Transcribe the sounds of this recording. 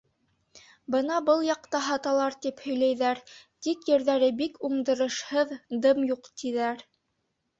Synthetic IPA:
bɤnɑbɤlˠjɑq̚t̪ɑɦɑt̪ɑlˠɑɾt̪iphɵ̆jlæjðæɾt̪ikjɘ̆ɾðæɾɘbikuɴd̪ɤ̆ɾɤ̆ʃhɤðd̪ɤmjuqt̪iðæɾ

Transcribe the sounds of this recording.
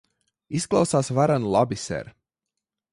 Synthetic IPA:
isklˠawsaːsvaɾanlˠabisɛ̰ɾ

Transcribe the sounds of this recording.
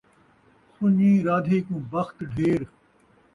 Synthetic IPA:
sʊɲĩːɾaːd̪ʱiːkũːbɐxt̪ɖʱeːɾ

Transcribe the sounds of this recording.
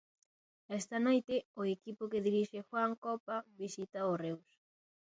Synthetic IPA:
ɛst̪ɐnojt̪eoekipokeðiɾiʃexwaŋkopaβisit̪aorews

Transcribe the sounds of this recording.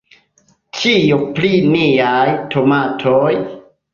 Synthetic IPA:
t͡ʃijupliniajtʰomatʰoj

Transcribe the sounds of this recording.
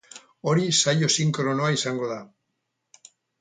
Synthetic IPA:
oɾisaʎosiŋkɾonoaisaŋɡoða

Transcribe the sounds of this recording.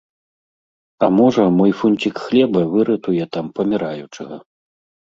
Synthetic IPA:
ɐmɔʐɐmɔjfunʲt͡sʲikxlʲɛbɐvɨɾɨt̪ujɛt̪ampɐmʲiɾajut͡ʂɨɣɐ

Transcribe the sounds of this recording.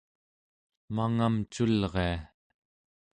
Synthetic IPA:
maŋamt͡ʃulʁea

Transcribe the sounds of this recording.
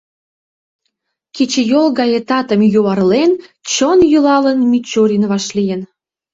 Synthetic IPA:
ket͡ɕejolɣɑjet̪ɑt̪ə̆mjuɑrlent͡ɕonjylɑlənmit͡ɕoɾʲinβɑʃlijən

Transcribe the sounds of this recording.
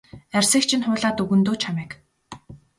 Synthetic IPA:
ærʲsə̆kt͡ɕʰĭnχʊːɮaːt̪uɣɵ̆nt̪oːt͡ɕʰamiːk

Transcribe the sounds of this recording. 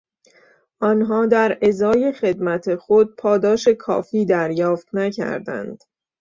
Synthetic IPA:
ʔɒnɦɒːd̪æɾezɒːje̞xe̞d̪mæt̪ʰexod̪̚pʰɒːd̪ɒːʃe̞kʰɒ̰ːfiːd̪æɾjɒːft̪næcʰæ̰ɾd̪æ̰nd̪̥

